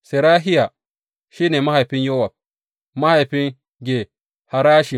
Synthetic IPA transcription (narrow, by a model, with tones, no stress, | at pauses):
se˨ɾaː˦ɦi˦ja˨ | ʃiː˦ne˨ma˦ha˨ɸi˦njo˦wa˨b̚ | ma˦ha˨jɸi˦ŋ | ɡʲe˨ | ha˨ɾaː˦ʃi˨